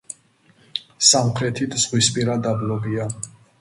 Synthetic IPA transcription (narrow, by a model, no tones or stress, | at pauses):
samχɾɛt̪ʰid̪ʰz̥ʁwispʼiɾad̪ablɔbia